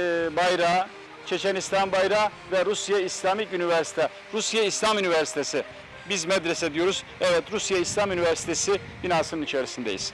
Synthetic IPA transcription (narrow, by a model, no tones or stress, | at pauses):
bajɾaː | t͡ʃʰe̞t͡ʃʰɛnist̪ʰanbajɾaː | vɛɾusjaislʲamicynivɛɾsi̥t̪ʰɛ | ɾusjaislʲamynivɛɾsi̥t̪ʰesɪ | bizmɛd̪ɾesɛd̪ijo̞ɾuzɛvɛt̪ɾusjaislʲamynivæɾsi̥t̪ʰesi | binaːsɯnɯnit͡ʃʰeɾisind̪ejḭz̥